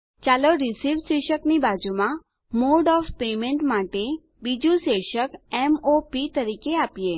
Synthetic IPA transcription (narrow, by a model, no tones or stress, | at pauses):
t͡ʃaloɾisiʋʃeʃəknibad͡ʒumã | moɖɔfpemẽɳʈmaʈe | bid͡ʒũʃeʃəkɛmopit̪əɾikeapije